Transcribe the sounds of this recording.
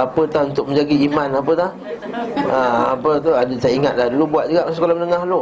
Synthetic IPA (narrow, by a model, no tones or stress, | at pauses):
apət̪ahunt̪ʊk̚mə̃ɲd͡ʒaɡiimanap̬ət̪ah | əapət̪̬uadəsajiŋat̪̚lahdulubuat̪̚d͡ʒuɡaʔsəkolamənəŋahlo